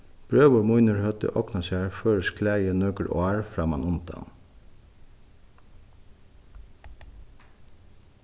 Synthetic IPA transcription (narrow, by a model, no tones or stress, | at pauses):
b̥ɹøːʋəmʊʏnəɹhœt̪ə̰ʔɔknɑʃæːɹføːɹəskʰlæɪənœkəɾʔo̰æɹfɾɑːmɑ̰nʊnt̪ɑ̰n